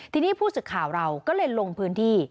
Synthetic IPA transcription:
t̪ʰiː˧niː˦˥˩pʰuː˥˩sɯ˨˩kʰːaː˨˩˦wɾa˧wkɔː˥˩lɤː˧jlo˧ŋpʰɯː˦˥nt̪ʰiː˥˩

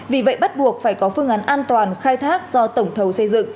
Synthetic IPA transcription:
vi˨˩və̰˧˨jɓt̚ɓu˨˩ək̚faː˧˩jkɔ˨˦fɨ˧əŋʔa˨˦nʔaː˧nt̪waː˨˩nxaː˧jt̪ʰaː˦˥k̚z̥ɔ˧t̪ə˧˩wŋ͡mt̪ʰə˨˦wsə˧jzɨ̰˧˨ŋ

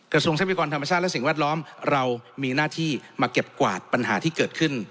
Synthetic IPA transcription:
kɾa˧su˧ŋsa˦˥p̚wi˧kɔː˧nt̪ʰa˧mːa˧t͡ɕʰaː˥˩t̪̚lɛ˦˥si˨˩ŋwɛː˥˩t̪̚lɔː˦˥mɾa˧wmiː˧naː˥˩t̪ʰiː˥˩maː˧ke˨˩p̚kwa̰ː˨˩t̪̚pa˧nɦa̰ː˩˦t̪ʰiː˥˩kɤː˨˩t̪̚kʰɯ˥˩n

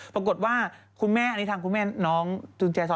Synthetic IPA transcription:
pɾa˧k̬o˨˩t̪̚waː˥˩kʰu˧nmɛː˥˩ʔa˧ni˦˥aː˧ku˧nmɛː˥˩nɔː˦˥ŋtuː˧nt͡ɕɛː˧sɔ˧˦

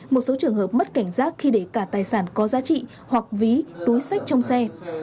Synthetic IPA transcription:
mo˨˩t̚so˨˦t͡ɕɨ˨˩əŋhɦəː˨˩p̚mə˦˥t̚ka˧˩jŋ̟zaː˦˥t̚xi˧ɗe˧˩kaː˧˩t̪aː˨˩jsaː˧˩nkɔ˨˦zaː˨˦t͡ɕḭ˧˨ | hwa˨˩k̚vi˨˦t̪u˨˦jsa˦˥jk̟̚t͡ɕɔ˧wŋ͡msɛ˧

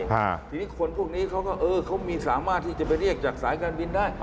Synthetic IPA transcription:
a˧˩t̪ʰi˧niː˦˥˩kʰo˧npʰu˥˩k̚niː˦˥kʰa˦˥wkɔː˥˩ʔɤː˧kʰa˦˥wmiː˧saː˩˦maː˥˩t̪ʰːiː˥˩t͡ɕa˨˩pa˧jɾi˥˩ək̚t͡ɕaː˨˩k̚saː˨˩˦jkaː˧nbi˧ndaː˥˩j

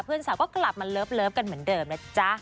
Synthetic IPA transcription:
pʰɯː˥˩˨nsaː˩˦wkɔː˥˩kla˨˩p̚ma˧ləː˦˥p̚lɤː˦˥p̚ka˧nmɯ˩˦əndɤː˧mna˦˥t͡ɕa˦˥

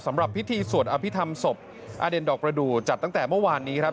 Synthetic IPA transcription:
sa˩˦mɾa˨˩pʰːi˦˥t̪ʰiː˧su˨˩ənʔaː˧pʰi˦˥t̪ʰa˧mso˨˩p̚ | ʔa̰ː˧de˧ndɔː˨˩k̚pɾa˧duː˨˩t͡ɕa˨˩t̪ːa˥˩ŋt̪ɛː˨˩mɯ˥˩˨waː˧nːiː˦˥kʰɾa˦˥p

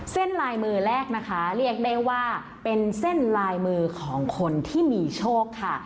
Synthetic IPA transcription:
se˥˩nɾaː˧jmɯː˧ɾɛː˥˩k̚na˦˥kʰa˦˥ɾi˥˩ək̚da˥˩jwaː˥˩ | pe˧nse˥˩nlaː˧jmɯː˧kʰɔː˩˦ŋkʰo˧nt̪ʰiː˥˩miː˧t͡ɕʰoː˥˩kʰːa˥˩

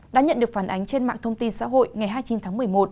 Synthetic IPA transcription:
ɗa̰ː˧˥ɲə̰˧˨nɗɨ˨˩ək̚faː˧˩nʔa˨˦jŋ̟t͡ɕe˧nma̰ː˧˨ŋt̪ʰə˧wŋ͡mt̪i˧nsa̰ː˧˥ɦo̰˧˨jŋa˨˩jɦaː˧jt͡ɕi˨˦nt̪ʰaː˨˦ŋmɨ˨˩əjmo˨˩t̚

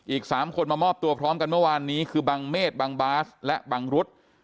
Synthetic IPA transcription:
ʔiː˨˩k̚saː˩˦mkʰo˧nmaː˧mɔː˥˩p̚t̪u˧ɐpʰɾɔː˦˥mka˧nmɯ˥˩ɐwaː˧nːiː˦˥kʰɯː˧baː˧ŋmeː˥˩t̪̚baː˧ŋbaː˦˥slɛ˦˥ʔbaː˧ŋɾu˦˥t̪̚

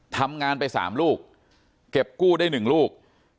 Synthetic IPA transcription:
t̪ʰa˧mŋaː˧npa˧jsa̰ː˩˦mluː˥˩k̚ː | e˨˩p̚kuː˥˩daː˥˩jnɯ˨˩ŋluː˥˩k̚

